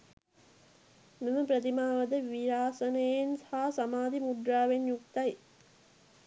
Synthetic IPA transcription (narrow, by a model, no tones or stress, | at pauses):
meməpɾət̪imaːʋɐd̪əʋiɾaːsənəjensaɦɦasamaːd̪imuɖɾaːʋenjukt̪ɐj